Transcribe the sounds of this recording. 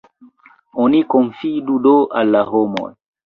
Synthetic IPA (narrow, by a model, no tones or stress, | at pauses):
ɔnikɔɱfidudoalːaɦomɔ̰j